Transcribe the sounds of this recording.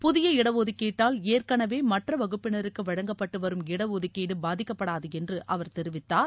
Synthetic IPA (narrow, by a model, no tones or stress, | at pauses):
pʊðɪjɐɪɽɐʋoːðɯkːeːʈːaːleːrkɐɳɐʋeːmɐʈrɐʋɐɣɯpːɪnɐɾɯkːɯʋɐɻɐŋɡɐpːɐʈːɯʋɐɾɯmɪɽɐʋoːðɯkːeːɽɯbaːðɪkːɐpːɐɽaːðɯɛndrɯʔɐʋɐɾt̪ɛɾɯʋɪt̪ːaːɾ